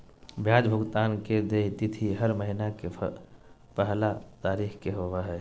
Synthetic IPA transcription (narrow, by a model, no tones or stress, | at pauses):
bʱjaːd͡ʒbʱʊɡt̪aːnked̪eːt̪ɪt̪ʰiɦəɾməɦinake | pəɦlat̪aːɾiːxkeɦoʋaɦɛː